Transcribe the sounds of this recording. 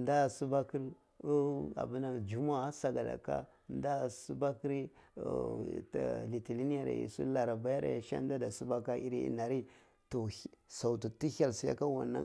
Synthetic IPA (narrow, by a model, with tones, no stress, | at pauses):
nda˦˨su˦ba˦ki˦ɾ | a̰˨bu˦na˦d͡ʒu˦ma˦sa˨ɡa˨da̰˨ka̰˦ | nda˦˨su˦ba˦ki˦ɾi˦˨ | tli˨ti˨li˦ni˦ja˨ɾa̰˨ḭ˨sṵ˦la˨ɾa˨ba˦ja˦ɾa̰˨ja˨ʃa̰˦n˦da˦da˨su˦ba˦ka˦i˦ɾḭ˦ḭ˨na˨ɾi˦ | to˨sa˨u˨tu˨ti˦ha˨lsi˦ja̰˦ka˦wa̰˨nːa̰˦